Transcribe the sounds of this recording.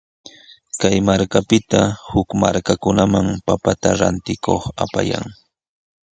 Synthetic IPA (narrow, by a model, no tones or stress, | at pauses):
kajmaɾkapɪt̪ahʊkmaɾkakʊnamaŋpapat̪aɾant̪ɪkoχapa̰ja̰ŋ